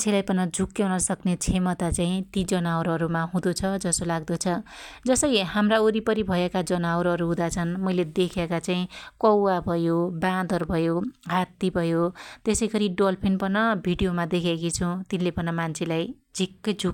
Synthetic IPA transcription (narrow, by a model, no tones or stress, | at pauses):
mant͡sʰelajpʌnʌd͡zʱukːjawnʌsʌknet͡sʰemʌt̪at͡saĩt̪id͡zʌnawɾʌɾumaɦũd̪ot͡sʰʌd͡zʌsolaɡd̪ot͡sʰʌd͡zʌsʌjɦhamraoɾipʌɾibʱʌekad͡zʌnawɾɦʌɾuɦũd̪at͡sʰʌnmʌjled̪ekʰekat͡saĩkʌwabʱʌjobãd̪ʌrbʱʌjoɦat̪ːibʱʌjot̪esʌjɡʌɾiɖolpʰinpʌnʌbʱiɖijomad̪ekʰekit͡sʰʌ̃t̪inlepʌnʌmant͡sʰelaj | d͡zʱikːʌd͡zʱuk